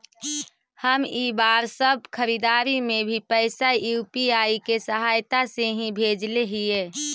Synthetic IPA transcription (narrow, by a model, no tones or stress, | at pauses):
həmibaːɾsəb̚ʱkʰəɾid̪aːɾimẽbʱipəɪsajuːpiaːikesəɦaːjt̪aseɦĩbʱeːd͡ʒleɦieː